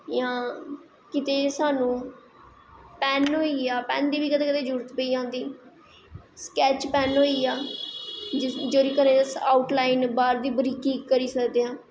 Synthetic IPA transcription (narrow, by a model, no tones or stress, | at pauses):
jãː | kɪt̪eːsaːnũː | pɛːnɦoːiːaːpɛ̰ːnd̪iːbiːkət̪eːkɪt̪eːd͡ʒʊɾət̪pəiːãːnd̪iː | skɛːt͡ʃpɛːnɦoːiːaː | d͡ʒoːɾiːkənẽːsaːʊʈlaːinbaːɾd̪iːbəɾiːkiːkːəɾiːsəkd̪eːãː